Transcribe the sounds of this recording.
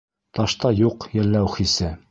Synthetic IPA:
t̪ɑʃt̪ɑjuqjɘ̆lːæwχisɘ

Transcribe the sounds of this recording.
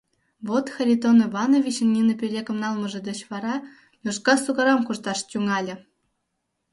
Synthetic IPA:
βot̪xerʲit̪onivɑnovʲit͡ɕɘ̆nnʲinɤ̆pʲelʲekɤ̆mnɑlˠmɤ̆ʒɤ̆d̪ŏt͡ɕʋɑɾɑ | jʲuʃkɑsuɣɑɾɑmkuʐt̪ɑʂtʲuŋɑlʲɘ̆

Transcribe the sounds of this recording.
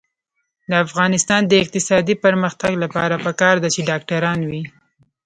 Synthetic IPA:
d̪əafɣɑnɪst̪ɑnd̪əɪq̚t̪ɪsɑd̪ipəɾməxt̪aɡlapɑ̰ɾapəkɑɾd̪at͡ʃeɖɑk̚ʈaɾɑnwi

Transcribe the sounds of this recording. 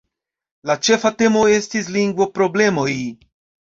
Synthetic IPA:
lat͡ʃe̞fate̞mo̞e̞stis̬liŋɡvo̞pɾo̞ble̞mo̞j

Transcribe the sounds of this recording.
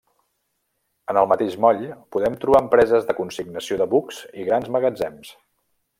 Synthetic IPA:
ənəlˠmət̪eʃmɔʎpuðɛmt̪ɾuβaəmpɾɛzəzðəkunsiɡnəsioðəβuksiɣɾanzməɣəd͡zɛms

